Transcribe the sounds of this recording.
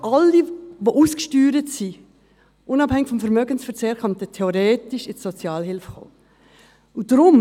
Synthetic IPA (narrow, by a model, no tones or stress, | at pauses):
ʔɑlːiʋoʔuːskʃtyːɾətsi | ʔʊnɑphɛŋɪkfɔmfɛɾmœɡənsfɛɾt͡seːɾkɑntətʰɛoɾeːtɪʃɪsɔt͡sjɑːlɦɪlfχo̰ː | ʊd̥ɾʊm